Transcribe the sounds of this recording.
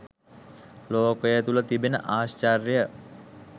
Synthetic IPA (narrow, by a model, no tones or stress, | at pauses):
loːkəjət̪ulət̪ibenə̰ʔaːst͡ʃarjjə